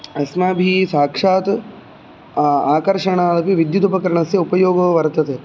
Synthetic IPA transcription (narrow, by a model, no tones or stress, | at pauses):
ɐsnaːbʱiːsaːkʂaːt̪ | aːkɐɾʂɐɳaːlɐpiʋid̪jut̪upɐkɐɾɐɳɐsjɐupɐjoːɡɐʋɐʋɐɾt̪ɐt̪e